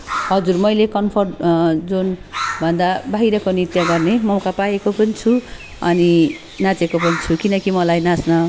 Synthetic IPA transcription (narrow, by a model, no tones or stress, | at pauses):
ɦʌd͡zurmʌjlekʌmpʰʌrʈd͡zunbʱʌnd̪abʱaɦiɾʌkonit̪jʌɡʌrnemʌwkapajekopʌnit͡sʰu | ʌ̰ni | nat͡sekopʌnit͡sʰukinʌkimʌlajnasnʌ